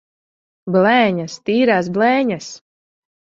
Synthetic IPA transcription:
blɛːɲast̪iːɾaːs̬blˠɛɲas

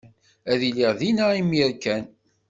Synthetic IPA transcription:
æðiliʁðinæimiɾkæn

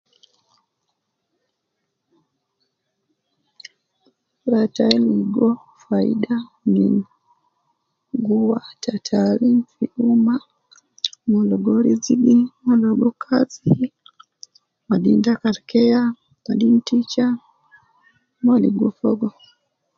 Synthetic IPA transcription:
ɾataɛliɡɔ | faḭɗanḭn | ɡuwatatʰalimfiʔuma | mɔlɔɡɔɾiziɡimalɔɡɔkʰazi | maɗindakaɾkɛa | madintit͡ʃa | maliɡɔfɔɡɔ

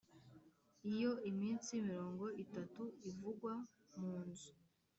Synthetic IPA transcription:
ijo̞imiːnt͡simiɾo̞ːŋɡo̞itatuivuɡwa | muːnzu

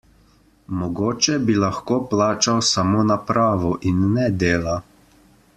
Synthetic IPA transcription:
mɔɡoːt͡ʃɛbilaxkoːplaːt͡ʃawsamoːnapɾaːʋɔʔinːɛd̪eːla

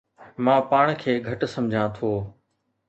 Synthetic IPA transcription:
mãːpaːɽ̃kʰeːɡʱɐʈsɐ̃md͡ʑʱãt̪ʰoː

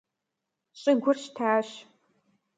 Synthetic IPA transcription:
ɕʼɪɡʷʊrɕtʰaːɕ

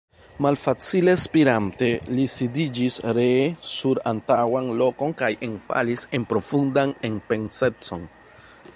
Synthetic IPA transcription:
malfat͡sile̞spiɾante̞lisidid͡ʒisɾesuɾa̰ntawanlo̞ko̞nkajʔe̞nfa̰lise̞npɾo̞fundane̞npe̞nse̞t͡so̞n

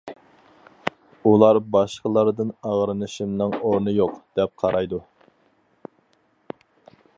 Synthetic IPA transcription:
ulˠɑɾbɑʃqəlˠɑɾd̪ɨnɑʁɾɨnɨʃimnɨŋoɾnɨjoqd̪̥ɛp̚qʰɑɾɑjd̪u

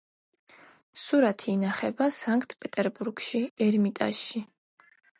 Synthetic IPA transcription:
suɾat̪ʰiːnaχɛbasaŋkʰʼt̪ʼʰpʼɛt̪ʼɛɾbuɾɡʃiɛɾmit̪ʼa̰ʃːi

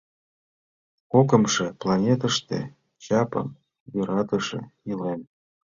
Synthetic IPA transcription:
kokə̆mʃĕplˠɑnʲet̪əʃt̪ḛ | t͡ɕɑpə̰m | jøɾɑt̪əʃḛilem

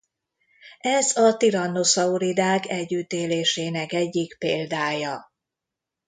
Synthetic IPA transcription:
ɛzɒt̪iɾɒnːosɒuɾid̪aːkɛɟːyt̪eːleːʃeːnɛkɛɟːikpeːld̪aːjɒ

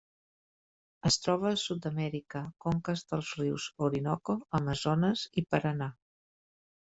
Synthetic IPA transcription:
əst̪ɾɔβ̞əːsut̪d̪əmɛɾikəkoŋkəzd̪əlˠzriwzoɾinɔkoəməzɔnəzipəɾəna

